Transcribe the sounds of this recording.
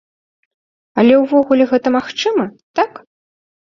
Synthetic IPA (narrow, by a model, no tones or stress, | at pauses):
ɐlʲɛwvɔɣulʲɛɣɛt̪ɐmaxt͡ʂɨmɐt̪ak